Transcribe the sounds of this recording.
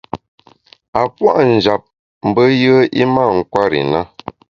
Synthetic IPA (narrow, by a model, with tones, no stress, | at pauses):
a˨pwa˦ʔn̩˨d͡ʒa˨p̚ | m̩˨bə˦jə˦i˦ma˦˨ŋ̩˨kwa˦ɾḭ˨na˦